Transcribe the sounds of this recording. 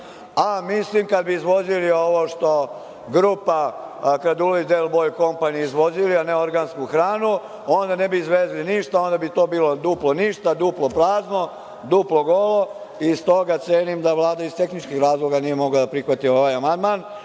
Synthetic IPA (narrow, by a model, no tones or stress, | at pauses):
amislimkad̪̚biːzʋo̞zilio̞ʋoːʃt̪o̞ | ɡɾuːpakɾad̪ulid̪elbojko̞mpaniizʋo̞zilianeo̞ɾɡanskuxɾaːnu | o̞nd̪ane̞biːzʋezliniʃt̪ao̞nd̪abit̪o̞ːbiːlo̞d̪uplo̞niʃt̪ad̪uplo̞pɾaːzno̞ | d̪uːplo̞ɡo̞lo̞ | ist̪o̞ɡat̪seːnimd̪aʋlˠaːd̪aizst̪e̞xnit͡ʃkixɾaːzlˠo̞ɡanije̞mo̞ɡlad̪apɾixʋat̪io̞ʋajamand̪maːn